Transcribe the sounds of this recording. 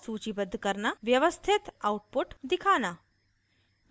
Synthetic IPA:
suːt͡ɕibəd̪ʱːkəɾnaʋjɐʋəst̪ʰit̪auʈ̚puʈd̪ikʰaːna

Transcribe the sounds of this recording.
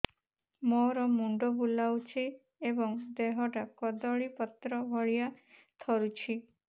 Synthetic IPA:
moɾɔmuɳɖɔbulawt͡ʃʰi | ebɔŋd̪eɦɔʈakɔd̪ɔɭipɔt̪ɾɔbʱɔɭijat̪ʰɔɾut͡ʃʰi

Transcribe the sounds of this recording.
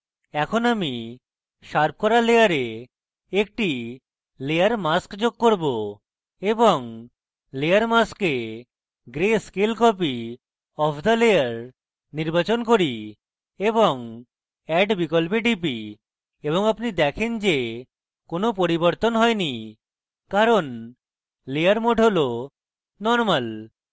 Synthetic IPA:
ɛkʰonami | ʃaɾp̚kɔɾalejaɾe | ek̚ʈi | leaɾmaskd͡ʑoɡ̚koɾbo | eboŋ | leaɾmaske | ɡɾeskelkɔp̬i | ɔpʰd̪aleaɾ | niɾbat͡ʃonkoɾi | ebɔŋ | ɛɖbikɔlpeʈipi | ebɔŋapnid̪ɛkʰend͡ʒe | konopoɾibɔɾt̪onɦɔjni | kaɾon | leaɾmoʈolo | nɔɾmal

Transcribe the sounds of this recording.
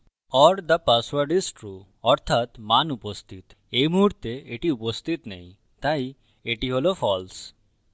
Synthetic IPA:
ɔɾd̪əpaswaɾɖisʈɾu | ɔɾt̪ʰat̪manupost̪ʰit̪ | ejmuɦuɾt̪eeʈiupost̪ʰit̪nɛj̃ | t̪ai | eʈiɦolofʰɔls

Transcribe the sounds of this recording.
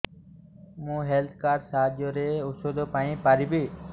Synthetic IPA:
mũːɦeːlt̪ʰkaːɾsaːd͡ʒjoːɾeːʊsoːd̪oːpaːnĩːpaːɾiːbiː

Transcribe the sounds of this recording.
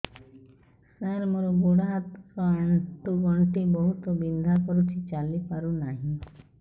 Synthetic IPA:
səɾmoɾuɡuɽat̪koaɳʈuɡɔ̃ɳʈibɔɦut̪obĩnd̪ʱakəɾut͡ʃʰit͡ʃaːlipaɾunaːɦĩ

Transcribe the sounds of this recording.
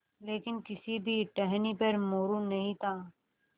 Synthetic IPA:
leːkɪnkɪsibʱiʈɛɦnipɐɾmoːɾũnɐɦĩt̪ʰaː

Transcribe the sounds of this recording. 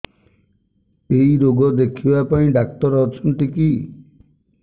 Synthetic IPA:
ejɾoɡɔd̪ekʰibapaĩɖakt̪ɔɾɔt͡ʃʰɔnʈiki

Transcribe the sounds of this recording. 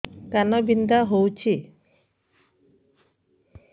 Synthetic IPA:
t̪anɔbind̪aɦowt͡ʃʰi

